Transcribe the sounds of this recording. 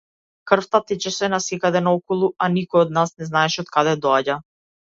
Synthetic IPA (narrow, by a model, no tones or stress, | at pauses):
kr̩ft̪at̪ɛt͡ʃɛsɛnasɛkad̪ɛnaɔkɔlˠuanikɔjɔd̪̚nasnɛznaɛʃɛɔt̪kad̪ɛd̪ɔaɟa